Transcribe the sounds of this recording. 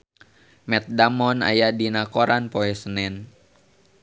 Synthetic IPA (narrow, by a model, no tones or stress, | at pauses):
mɛt̪̚damɔna̰jadinakoɾanpoɛsənɛn